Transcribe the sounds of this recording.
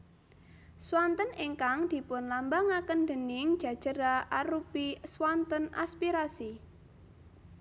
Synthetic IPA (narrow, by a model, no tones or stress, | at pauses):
swant̪əniŋkaŋd̪̥i̤pʊnlambaŋakənd̪ə̤nɪŋ̥ʒ̥a̤d̥ʒ̥əɾaʔaɾupiswant̪əna̰spiɾasi